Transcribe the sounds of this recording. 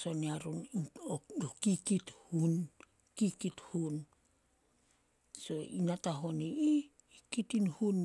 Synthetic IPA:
so̞niaɾunookikithun | kikithun | so̞inataɦoniiː | kitinhun

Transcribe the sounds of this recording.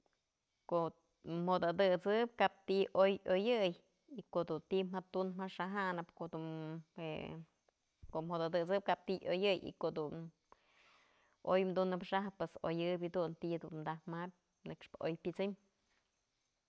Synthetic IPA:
koʔ | mhod̪ad̪ɨt͡sɨp̚kap̚t̪iʔojojɨj | ikoʔd̪unt̪imhat̪unmaʂaɦanɨpkoʔd̪ue | koʔmhod̪ad̪ɨt͡sɨp̚kap̚t̪iʔojɨjḭkod̪un | ojmd̪unɨpʂaɦpːweso̰jɨbʲd̪unt̪id̪unmd̪ahmap̚ʲ | nɨkʂpɨ̥ʔojpʲɨt͡sɨm

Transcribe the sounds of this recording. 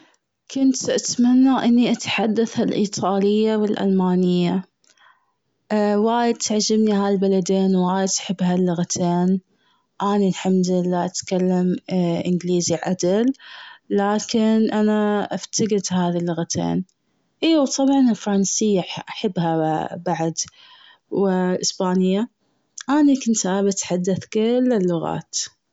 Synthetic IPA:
kʊnt̪ʔat̪manːaʔɪnːiʔat̪ħad̪ːaθalʔiːt̪ˤʰɑːlɪjːawɪlʔa̰lmaːnɪjːa | waːjɪd̪̚t̪ʰaʕd͡ʒɪbniɦaːlbalad̪eːnwaːjɪd̪ʔḁħɪbːhalːʊɣat̪ʰeːn | ʔaːnilħamd̪ɪlːaːʔat̪kalːamʔɪnɡliːziʕʔa̰d̪alː | aːkɪnʔanaʔaft̪ʰaɡɪd̪haːðilːʊɣat̪ʰḛːn | ʔeːwt̪ˤɑbʕɑnɪlfɾˤɑnsɪjːaʔaħabːhabaʕd̪ | wɪlʔɪsbaːnɪjːa | ʔaːnikʊnt̪aːbɪt̪ħad̪ːaθkɪlːɪlːʊɣa̰ːt̪

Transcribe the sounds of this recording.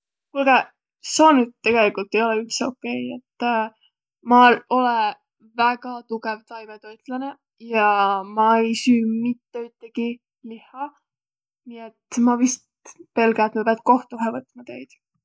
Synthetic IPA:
kulɡe | sonut̪ːe̞ɡ̥e̞likult̪ːˑe̞jo̞leyht̪seo̞kːe̞jet̪ˑː | mɑo̞le | væɡɑt̪uɡ̥evt̪ɑjvet̪o̞jt̪lɑne̞ | jɑmɑe̞jsyːmit̪ːe̞yt̪ːˑeɡ̥i | lihɑ | niet̪mɑvist̪ | pe̞lɡæt̪mɑpeɑd̪̥̚ko̞ht̪uɦevɤt̪mɑt̪e̞jd̪̥

